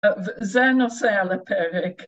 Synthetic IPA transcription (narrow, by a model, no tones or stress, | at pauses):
əvzɛnɔsɛlˠəpʰɛɾɪk